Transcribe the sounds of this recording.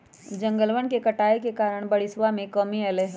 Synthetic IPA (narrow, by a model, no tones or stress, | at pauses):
d͡ʒɐ̃ŋɡəlʋənkekɐʈaːekekaːɾəɽ̃bɐɽɪsʋamẽkəmiɐleɦ